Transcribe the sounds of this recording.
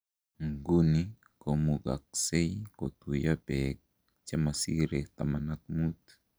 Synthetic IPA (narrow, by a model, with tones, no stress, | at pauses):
ŋɡu˦ni˦ | ko˨mu˨ɡa̰˨k̚se˦jko˨t̪u˨ja˦bɛ˨k̚ | t͡ʃe˦ma˨si˦ɾe˨t̪a˨ma˨na˦k̚mu˦t̪